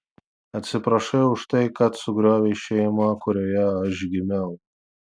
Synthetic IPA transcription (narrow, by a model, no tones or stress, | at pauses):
ɐt̪ʲsʲɪpɾɐʃɐʊʃt̪ɐɪkɐt̪sʊɡɾʲoːʋʲeːʃʲɛɪmɐkʊɾʲoːjɛɐʃɡʲɪmʲɛʊ